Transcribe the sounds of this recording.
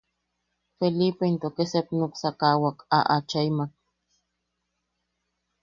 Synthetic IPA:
felipeint̪okesepnuksakawaka̰ʔat͡ʃajmak

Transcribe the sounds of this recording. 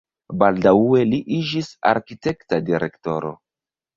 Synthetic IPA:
baldawe̞liʔid͡ʒisa̰ɾkite̞ktadiɾe̞kto̞ɾo̞̰

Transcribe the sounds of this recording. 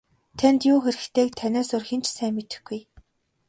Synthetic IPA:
t̪ʰænt̪jʊːxeɾɘ̆kt̪ʰeːk̚t̪ʰænʲaːsʊrxĭnt͡ɕsæːmet̪ɘ̆xɡ̥uj

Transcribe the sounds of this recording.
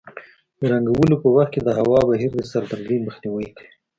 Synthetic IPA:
d̪əɾaŋɡawəlopəwaxt̪̚ked̪əɦawɑbaɦiɾd̪əsaɾd̪aɾɡ̪iməxniwəj

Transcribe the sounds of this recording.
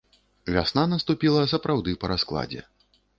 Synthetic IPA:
vʲa̰snanɐst̪upʲilˠɐsɐpɾawd̪ɨpɐɾasklˠa̰d͡zʲɛ̰

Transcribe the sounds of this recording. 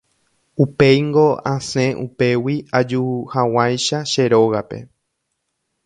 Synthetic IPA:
upe̞jŋɡoãsẽ̞ʔṵpe̞wiad͡ʒuhawajʃaʃe̞ɾo̞ɣape̞̰

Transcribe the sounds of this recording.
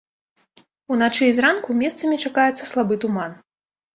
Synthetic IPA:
unat͡ʂɨzrankumʲɛst̪sɐmʲit͡ʂakajɛt̪sːɐ̥slˠabɨt̪uman

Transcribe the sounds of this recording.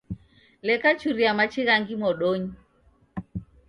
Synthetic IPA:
lɛkat͡ʃuɾiamat͡ʃiɣaŋɡimɔɗɔɲi

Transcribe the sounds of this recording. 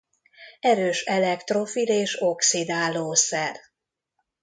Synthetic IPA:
ɛɾøːʃɛlɛkt̪ro̞fileːʃo̞ksid̪aːloːsɛr

